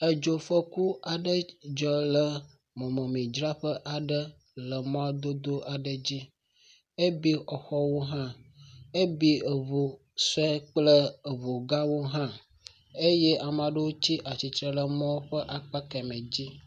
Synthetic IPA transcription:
ə˨d͡ʒo˨fə˦ku˦a˨ɖə˦d͡ʒɔ˨˦lə˨ | mɔ̃˨mɔ̃˨mĩ˨d͡ʒɾa˦ɸə˦ʔa˨ɖə˦ | lə˨m˦ã˦d̪o˦d̪o˦ʔa˨ɖə˨d͡ʑi˦ | e˦bi˦ɔ˨xɔ˦wo˦ɦã˦e˦bi˦ə˨βo˨ | sɛ˦k͡plə˦e˨βo˨ɡa˦wo˦ɦã˦ | e˦je˦ʔa˨m˨ã˨ɖə˦wo˦t͡ɕi˦ʔa˨t͡ɕi˨t̪ɾə˨lə˨mɔ̃˦ɸə˦ʔa˨k͡pa˦kɛ˨mɛ̃˨d͡ʑi˦

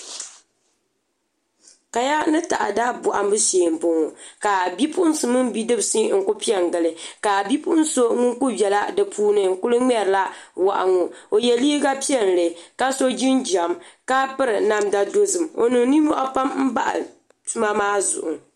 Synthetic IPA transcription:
ka˨ja˦nɨ˦ta˨ʔa̰˨daː˦bʊ˨ʔa̰˨mbɨ˦seː˨m̩˨pʊ˨ŋo˨ka˨bi˦pʊ˦sɨ˨mɨ˦m˦bi˦dɨ˦bsi˦ŋ̩˨kʊ˦pi˦ɛ˨ŋɡɨ˨lɨ˨ka˨bi˦pu˦n̩˦so˦ŋʊ˦ku˦bɛ˨la˦dɨ˨pʰuː˦nɨ˨ŋ̩˨kʊ˦lɨ˦ŋ͡mɛ˦ɾla˦wa˨ʔa̰˨ŋo˨o˨jɛ˨liː˦ɡa˦pi˦ɛ˦n˨lɨ˨ka˦so˦d͡ʒi˦nd͡ʒa˨mka˦pɨ˦ɾɨ˨na˦mda˦do˦zɨ˨mo̰˨nɨ˨ni˦mɔ˦ʔa˦pa˦mm̩˦ba˦ʔa̰˨ | tu˦ma˦maː˦zʊ̰˨ʔʊ̰˨

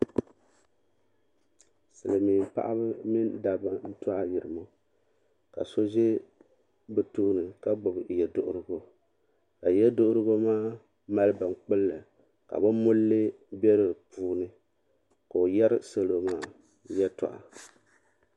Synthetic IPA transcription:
sɨ˨lɨ˨miː˨m˨pa̰˦ʔa̰˦βɨ˦mi˦nda˨ba˦n̩˦tɔ˦ʔa˦ji˨ɾɨ˨mo˦ | ka̰˨so˦ʒe˦ | bɨ˨tu˦ʔnɨ˨ka˦ɡ͡bʊ˨bɨ˨jɛ˨dʊ˨ʔʊ˦ɾɨ˦ɡo˦ | ka˨jɛ˦dʊ˦ʔʊ˦ɾɨ˦ɣo˦maː˦ | ma˦lɨ˦ba˨ŋk͡pɨ˦lːɨ˨ | ka̰˨bɨ˦mʊ˦lːɨ˦ | bɛ˦ɾɨ˨puː˦nɨ˦ | ka˨o˨jɛ˦ɾɨ˦sa˦lo˨maː˦˨ | jɛ˦tɔ̰˨ʔa̰˨

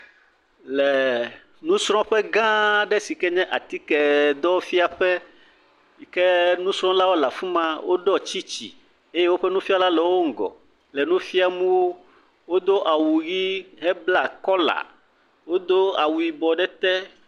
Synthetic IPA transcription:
lɛ˨ | nũ˦sɾ̃ɔ̃˦ɸɛ˦ɡã˦ɖɛ˦si˨kɛ˦ɲɛ̃˦ʔa˨t̪i˦kɛ˨d̪ɔ˦fi˦a˨ɸɛ˦ | i˨kɛ˦nũ˦sɾ̃ɔ̃˦la˦wo˦la˨fũ˦mã˦wo˦ɖɔ˦t͡ɕi˦t͡ɕḭ˨ | e˦je˦wo˦ɸɛ˦nũ˦fi˦a˦la˦lɛ˨wo˦ŋ̩˨ɡɔ̰˨ | lɛ˨nũ˦fi˦a˨mũ˦wo˦ | wo˦d̪o˦ʔa˨wu˨ɣi˦ɦɛ˦bla˨kɔ˦la̰˨ | wo˦d̪o˦a˨wu˨i˨bɔ˨ɖɛ˦t̪ɛ˦

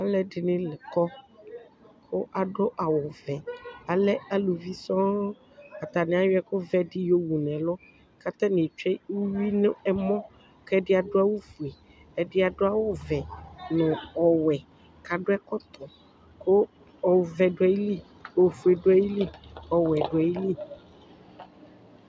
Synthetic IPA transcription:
a˨lɛ˨˦ɖɪ˨nɪ̃˦lɪ˨kɔ˦ | kʰo˦ʔa˨ɖo˦ʔa˨wɔ˨vɛ˨a˨lɛ˦a˨lu˨vi˦sɔ̃˦ | a˨t̪a˨nɪ̃˨˦a˦jo˦ɛ˦ko˦vɛ˦dɪ˦jo˦wu˨nɛ̃˨lɔ˦ | ka˦t̪a˦nĩ˨t͡ʃɛ˦wu˦wi˦nʊ̃˦ɛ˦mɔ̃˦ | kɛ˦dɪ˦a˨ɖo˦a˦wu˦fu˨e˨ | ɛ˨dɪ˦a˨ɖo˦a˦wɔ˨vɛ˨nʊ̃˨ɔ˨wɛ˨ | ka˨ɖo˦ɛ˦kɔ˦t̪ʰɔ˨ | ko˦ | ɔ˨wvɛ˨ɖʊ˨ɛ˦ji˦li˦ | o˨vu˨e˨ɖo˦ɛ˦ji˦li˦ɔ˨wɛ˨ɖo˨ɛ˨ji˦li˦

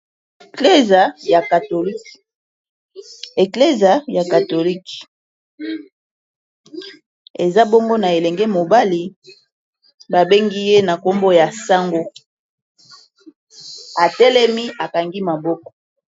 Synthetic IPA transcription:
kle˦za˨ja˨ka˨to˨li˦k | e˨kle˦za˨ja˨ka˨to˨li˦k | e˨za˦bo˦ŋɡo˦na˨e˨lɛ˨ŋɡɛ˦mo˨ba˦li˨ | ba˨be˦ŋɡi˦je˦na˨ko˦mbo˦ja˨sa˦ŋɡo˦ | a˨tɛ˦lɛ˦mi˦a˨ka˨ŋɡi˦ma˨bɔ˦kɔ̥˨

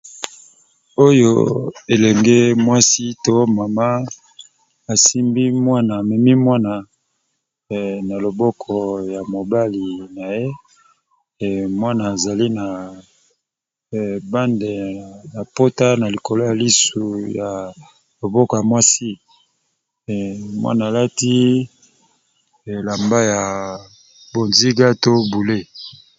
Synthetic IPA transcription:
o˦jo̰˦e˨lɛ˨ŋɡe˦mwa˦si˦to˦ma˨ma˦ | a˨si˦mbi˦mwa˦naː˨mɛ˨mi˦mwa˦na˨ | na˨lo˨bɔ˦kʰɔ˨ja˨mo˨ba˦li˨na˨je˦˨ | mwa˦naː˨za˨li˦na˨ | ba˦nde˨na˨po˦ta˦na˨li˨ko˨lo˦ja˨li˦su˨ja˨ | lo˨bɔ˦kɔ˨ja˨mwa˦si˦˨ | mwa̰˦naː˨la˦ti˦˨ | la˨mba˦ja˨ | bo˨nzi˦ɡa˦to˦bu˨le˦

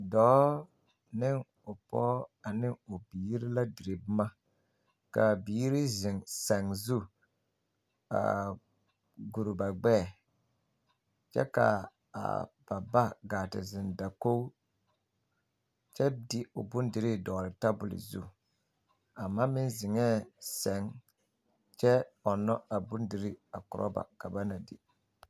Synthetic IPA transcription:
dɔ˨˦ | nɪ˦ŋ | ʊ˨pɔ̰˦a˨nɪ˦ŋo˨biː˨˦ɾi˦la˦dɪ˨ɾe˨bʊ˦ma˦ | ka˨biː˨˦ɾi˦zɪ˨ŋsa˨ŋzu˦ | a̰˨ | ɡu˨ɾʊ˨ba˨ɡ͡bɛː˦˨ | t͡ʃɛ̰˦ka̰˨ | b̥a˨ba˦ɡaː˨tɪ̰˨zɪ˨nda˨ko˦ | t͡ʃɛ˦dɪ˦o̰˨bu˦ndi˨ɾi˦dɔ˨ɾɪ˨ta˦bʊ˨lɪ̰˨zṵ˦˨ | a˨mːaː˦mɪ˦nzɪ˨ŋɛː˦sɛ˨˦ŋ | t͡ʃɛ˦ɔ˨nːɔ˦a˨bu˦ndi˨ɾi˦a̰˨kʊ˨ɾʔɔ̰˦ba̰˨ka˨ba˦na˨dɪ̰˨

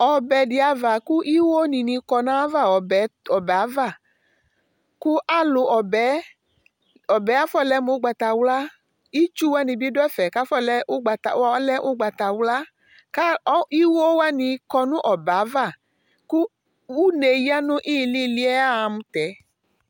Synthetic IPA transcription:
ɔ˨bɛ˨di˨˧a˧va˨ku˦ʔi˦wo˦nĩ˨nĩ˧kɔ˧nã˦va˦˨ɔ˨ɛ˨˦ɔ˨bɛ˨a˨˦va˦˨ | ku˦ʔa˦lo˨ʔɔ˨bɛ˨˦ | ɔ˨bɛ˨˦a˦fɔ˦˨lɛ˦mũ˨˦ɡ͡ba˧ta˧˨wla˦ | i˦t͡ʃu˦wa˦nĩ˧bi˦do˦ɛ˦fɛ˨ka˨˦fɔ˦lɛ˦ɡ͡ba˧ta˨˦lɛ˦ʔo˦ɡ͡ba˨ta˨wla˦ | ka˦i˦wo˦wa˦nĩ˧kɔ˧nũ˦ʔɔ˨bɛ˨a˨˦va˦˨ | ku˦ | u˦ne˨ji˦a˦nũ˦ʔiː˦˨li˦˨li˦ɛ˦a˦a˧mũ˧t̪ɛ˨˦

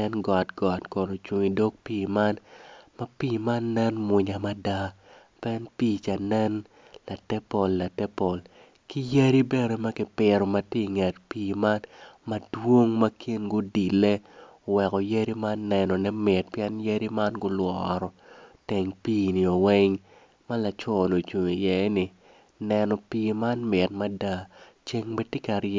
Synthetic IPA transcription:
ɛ˦nɡɔ˨tɡ̥ɔ˨tkɔ˨no˨t͡ʃu˨ŋi˨do˦k̚piː˦ma˦nma˦piː˦˨ma˦nːɛ˦nmwʊ˨ɲa˨ma˦da˦ | pɛ˦npiː˦t͡ʃa˨nɛ˦n | la˨tɛ˦po˨lːa˨tɛ˦po˨l | ki˦ja˦ɾi˦bɛ˦˨ɾo˨ma˦kɪ˨pɪ˨ɾɔ˨mɐ˦ti˦˨ŋɛ˨tpiː˦ma˦nmɐ˦dwo˦ŋma˦kʰɪ˦nɡʊ˦di˨le˦˨ | wɛ˨kɔ˨ja˦ɾi˦ma˦nːɛ˨nɔ˨nɛ˦mɪ˨t̚pjɛ˦nja˦ɾi˦ma˦nɡʊ˦lwɔɾɔ˨tɛ˨ŋpiː˦ni˨o˨wɛ˦ŋ | ma˦la˨t͡ʃɔ˦no˨t͡ʃu˨ŋi˨jɛ˦ni˨ | nɛ˨nɔ˨piːma˦nmɪ˨t̚ma˦da˦ | t͡ʃe˦ŋbe˦tɪ˦ka˨ɾ

